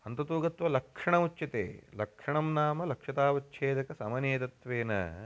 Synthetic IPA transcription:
ɐnt̪ɐt̪uːɡɐt̪ʋɐlɐkʂɐɳɐut͡ʃːʃɐt̪ḛːlɐkʂɐɳɐmnaːmɐlɐkʂɐt̪aːʋɐtːʃʰeːd̪ɐkɐsɐmɐneːt̪ɐt̪ʋeːnɐ̰

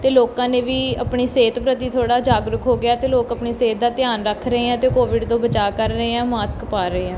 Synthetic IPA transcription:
t̪eːloːkãːneːʋiːəpɳiːseːt̪pɾət̪iːt̪ʰoːɽaːd͡ʒaːɡɾʊkɦoːɡɪaːt̪eːloːkəpɳiːseːt̪̚d̪aːt̪ɪjaːnɾəkʰɾəeːãːt̪eːkoːʋɪɖt̪õːbət͡ʃaːkəɾːəeːãːmaːskpaːɾəeːɛ̃ː

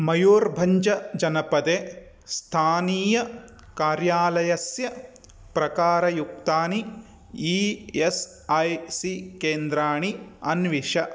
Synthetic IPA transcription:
mɐjoːɾbʱɐɲd͡ʒɐd͡ʒɐnɐpɐd̪eː | st̪ʰaːniːjɐ | kaːɾjaːlɐjɐsjɐ | pɾɐkaːɾɐjuk̚t̪aːni | ies | ɐjsikeːnd̪ɾaːɳiɐnʋiʂɐ

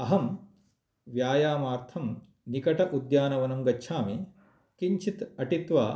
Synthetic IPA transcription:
ɐɦɐm | ʋjaːjaːmaːɾt̪ʰɐm | nikɐʈɐʔud̪jaːnɐʋɐnɐmɡɐːʃʰaːmi | kiɲt͡ʃʰit̪ɐʈit̪ʋaː

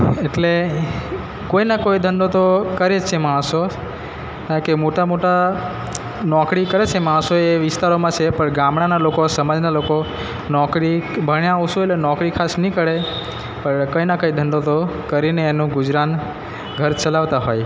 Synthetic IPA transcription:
eʈle | koinakoid̪ʱənɖot̪okəɾed͡ʒt͡ʃʰemaɽ̃so | kãkemoʈamoʈa | nɔkɽikəɾet͡ʃʰemaɽ̃soeʋɪst̪aɾomãt͡ʃʰepəɳɡamɽanalokosəmad͡ʒnaloko | nɔkɾibʱəɳjãwsoeʈlenɔkɽikʰasnəĩkəɾe | pəɳkəinakəid̪ʱənɖot̪okəɾineːnũɡʊd͡ʒɾan | ɡʱəɾt͡ʃəlaʋt̪aɦoj

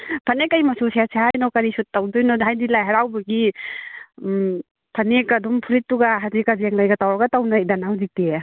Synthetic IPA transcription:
pʰanekajmasusjasʰaɦajnɔwkaɾisutːawdɔjnɔdɦajdilajɦaɾawbaɡi | pʰanekadɔmpʰuɾitːuɡaɦadikazaŋlajɡatawaɡatawnajdanawzik̚ti

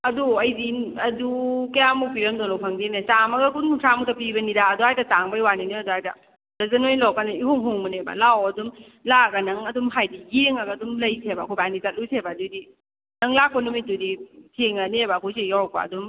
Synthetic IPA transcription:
ɐduɐjdiɐdukɐjamupʰiɾɐmdonɔpʰaŋdenasamɐɡɐkʰununtʰamutʰapibɐnidaːduhajtataŋbajwaniniduhajta̰ | ɾɐzɐnojlɔkanaiɦoŋɦoŋmɐnebɐ̰lawɐdum | laɡanɐŋɐdumɦajdijeŋaɡadumlɐjtʰebakʰojbanitat̚lutʰebadudi | nɐŋlakonomituditʰeŋanebaːkʰɔjs̬ejawk̚ba̰ɐ̰dum

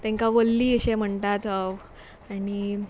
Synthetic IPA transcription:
t̪ɛ̃ŋkaʋəlːiːəɕẽm̤əɳʈ̪at͡saw | aɽi

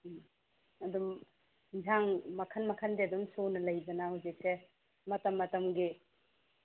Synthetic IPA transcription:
ɐdum | d͡ʒʱaŋmɐkʰɐnmɐkʰɐndeɐdumsonɐlɐjbɐnahɐwzik̚se | mɐtɐmːɐtɐmɡi

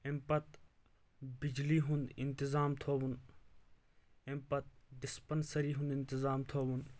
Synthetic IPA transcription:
empɐt̪ | bɪd͡ʒliːɦʊ̃nd̪ɪ̰nt̪ɪzaːmt̪ʰoːʋun | empɐt̪̚ɖɪspənsəɾiːɦũnd̪ɪnt̪ɪzaːmt̪ʰoːʋun

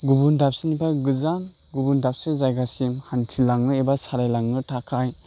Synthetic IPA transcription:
ɡubundap̚sɯnipʰaɡɯzan | ɡubundap̚sɯzajɡasimhantʰilaŋnɯebasaɾajlaŋnɯtʰakʰaj

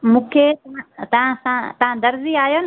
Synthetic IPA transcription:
mũːkʰet̪ɐãt̪ɐʋ̤ãsãt̪ɐʋ̤ãd̪ɐɾziaːjon

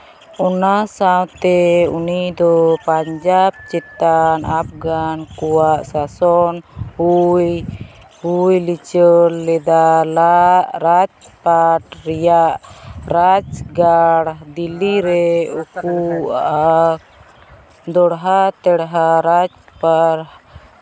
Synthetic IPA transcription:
ɔnasawt̪ɛunid̪ɔpaɲd͡ʒab̚t͡ʃɛt̪anap̚ɡankuwaʔsasɔnhuj | hujlit͡ʃəlːɛd̪alaʔɾad͡ʒpaʈɾɛjaʔɾad͡ʒɡaɽd̪ilːiɾɛukuʔʔa | d̪ɔɽɦat̪ɛɽɦaɾad͡ʒpaɾ

